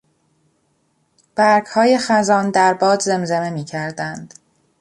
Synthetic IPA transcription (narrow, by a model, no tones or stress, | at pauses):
b̥æɾɡhɒːje̞xæzɒːnd̪æɾbɒːd̪ze̞mzeme̞miːcʰæɾd̪ænd̪̥